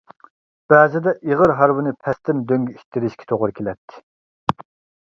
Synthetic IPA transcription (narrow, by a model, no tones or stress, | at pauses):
b̥ɛːzɪd̪ɛʔiʁəɾɦɑɾwɨnɨpʰɛst̪ɪmd̪øŋɡʲyit̪ʰːɪɾɪʃkʲʰɛ̥t̪ʰoʁʊɾɨkʲʰelɛt̪ʰːɪ̥